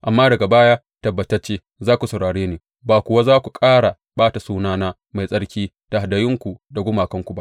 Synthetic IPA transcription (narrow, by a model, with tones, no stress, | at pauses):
ʔa˨mːaː˦dɐ˨ɡa˨baː˦jaː˦ | tɐ˨bːɐ˨tɐ˦rt͡ʃeː˦ | zaː˦kʷu˨sɐ˨wɽaː˨ɽeː˦neː˨ | baː˨kʷʊ˨wa˦zaː˦kʷu˨kʼaː˦ɽa˨ | baː˦ta˨suː˦naː˦naː˦ | ma˨jsʼɐ˦ɽkʲiː˦ | ta˨ha˨dɐ˨jɪ˦ŋkʷu˨da˨ɡʷʊ˦maː˨kɐ˦ŋkʷu˨ba˦